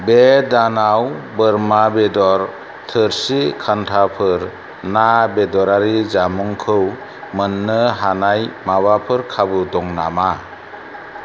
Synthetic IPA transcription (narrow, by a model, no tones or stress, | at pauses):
bedanawbɯɾmabedɔɾ | tʰɯɾsikʰantʰapʰɯɾ | nabedɔɾaɾizamuŋkʰɯw | mɯnːɯɦanajmabapʰɯɾkʰabɯdɔŋna̰ma